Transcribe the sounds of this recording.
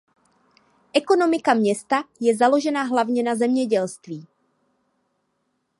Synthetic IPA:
ʔɛko̞no̞mɪkamɲɛst̪ajɛzalo̞ʒɛnaɦlavɲɛnazɛmɲɛɟɛlst̪viː

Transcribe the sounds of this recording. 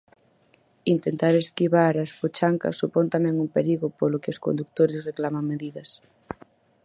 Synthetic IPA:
int̪ent̪aɾeskiβaɾaspot͡ʃaŋkɐ̰sːupont̪amɛ̃ŋumpeɾiɣʊpolʊkɪʊsko̰nd̪uk̚t̪oɾɪsreklamaŋmeðiðɐs

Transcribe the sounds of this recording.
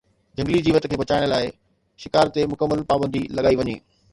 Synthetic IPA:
d͡ʑʱɐ̃ŋɡlid͡ʑiːʋət̪̆kʰeːʋɐt͡ɕaːɪɽ̃laːɪ | ʃɪkaːɾt̪emʊkəmːəlpaːbə̃nd̪ilɐɠaːiʋɐɲḛː

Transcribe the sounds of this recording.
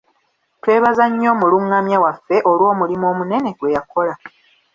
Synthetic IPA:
twe̞ːβazaɲːo̞ːmuluŋːamjawafːe̞ʔolwo̞ːmulimo̞ːmune̞ne̞ɡwe̞jakʰo̞la

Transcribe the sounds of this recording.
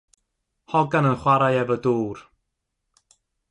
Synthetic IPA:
hɔɡanənχwaɾajɛvəduːr

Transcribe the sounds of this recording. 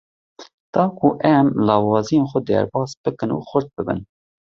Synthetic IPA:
d̪̥ɑːkʰuʔɛmlɑːwɑːzijenxʷɛd̪ɛ̰ɾbɑːsb̥ɨkɨnṵːxʷʊɾt̪̚bɨbɨ̰n

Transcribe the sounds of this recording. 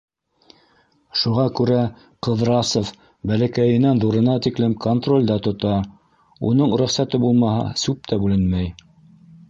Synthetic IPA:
ʃuʁɑkʉɾæ | qɤ̆ðɾɑsof | bælækæjɘ̆nænðuɾɤ̆nɑt̪iklɘmkʰont̪ro̞lʲd̪ɑt̪ŏt̪ɑ | ṵnɤɴɾɵχsæt̪ɘbulˠmɑhɑ̰sʉp̚t̪ʰæbʉlɘnmæj

